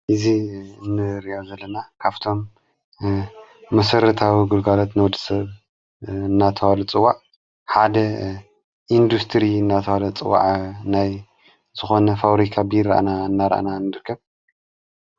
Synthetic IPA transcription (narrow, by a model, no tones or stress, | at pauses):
ʔɨziɨnːɨɾiʔozɐlːɐnakʰaβt̪ʰo̞m | ɐsɐɾɐt̪ʰawiɡulɡalot̪nɐwd̪ɨ̥sɐβ | ɨnːat̪ʰɐwalut͡sʼɨwaʕ | ħad̪ɐ | ʔind̪ust̪ʰɾiɨnːat̪ʰɐwalɐt͡sʼɨwa̰ʕnaj | z̥ɨxo̞nɐfaβɾikʰabɨjɪɾʔa̰naɨnːaɾʔa̰nanːɨɾɨkʰːɐβ